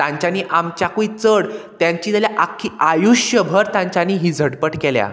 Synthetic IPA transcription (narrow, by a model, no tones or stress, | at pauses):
t̪ãɲt͡ɕaniːʔamt͡ɕakuit͡səɽt̪jãɲt͡ɕiːt̪əljaʔakʰːiajuɕjəbʱəɾt̪ãɲt͡ɕaniːɦiːd͡zʱəɽpəʈkelja̰